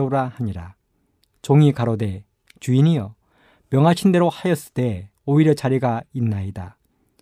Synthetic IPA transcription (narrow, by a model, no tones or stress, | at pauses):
ɾahaɲiɾa̰ | t͡ɕoŋikaɾode̞ | t͡ɕuinijʌ | mjʌŋɦaɕʰinde̞ɾohajʌs͈ɯt͈e̞ | oiɾjʌt͡ɕaɾiɡainːaida